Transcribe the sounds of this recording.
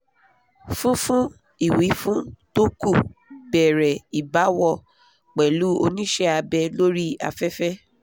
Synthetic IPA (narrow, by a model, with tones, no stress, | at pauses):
fũ˦fũ˦ | i˦˨wi˨˦fũ˦to˦ku˦˨bɛ˨ɾɛ˨i˨ba˨˦wɔ˦˧ | k͡pɛ˨lu˨˦o˧nĩ˦ʃɛ˦a˧bɛ˧lo˦ɾi˦a̰˧fɛ˦fɛ˦